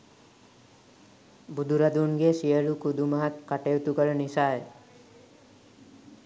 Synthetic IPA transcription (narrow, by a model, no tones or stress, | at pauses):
bud̪ʱuɾad̪unɡesiəlukud̪umaɦat̪kaʈewt̪ukɔɾenisaj